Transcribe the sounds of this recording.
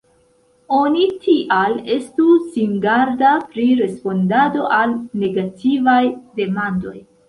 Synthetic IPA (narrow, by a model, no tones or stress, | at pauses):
o̞nitʰiʔale̞stusiŋɡaɾdapɾiɾe̞spo̞ndado̞ʔalne̞ɡatʰivajde̞mando̞j